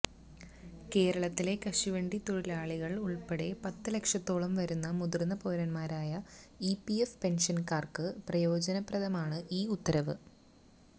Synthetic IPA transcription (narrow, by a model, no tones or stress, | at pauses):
ke̞ːɾɐɭɐt̪ːile̞kɐʂiʋeɳɖit̪oɻilaːɭiɣɐɭuɭpe̞ɽe̞pɐt̪ːɨle̞kʂɐt̪ːo̞ːɭɐmʋɐɾunːɐmuðurnːɐpo̞ːɾɐnmaːɾaːjɐipiefpe̞nʂɐnkaːrkɨprɐjo̞ːd͡ʑɐnɐprɐðɐmaːɳɨʔiːut̪ːɐɾɐʋɨ̰